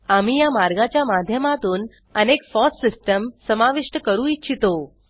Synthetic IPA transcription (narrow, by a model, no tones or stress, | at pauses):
amijamaɾɡat͡ɕjamad̪ʱjəmat̪uːn | ənekfɔssɪsʈəmsəmaʋiʂʈəkəɾũit͡ɕʰit̪o